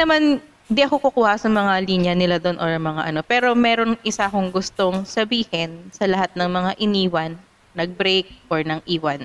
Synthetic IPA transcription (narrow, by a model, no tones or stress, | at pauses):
nɐman | nd̪ɪʔɐkokʊkuːhɐsɐmɐŋaliːnjɐnɪlad̪o̞nʔoɹɐŋmɐŋaʔɐno̞pɛːɾo̞mɛːɾo̞nʔɪsaʔɐkoŋɡʊst̪o̞ŋsɐbiːhɪnsɐlɐhat̪̚nɐŋmɐŋaʔɪniːwɐnː | ɐɡ̚bɾejk̚ʔoɹnɐŋʔiːwɐn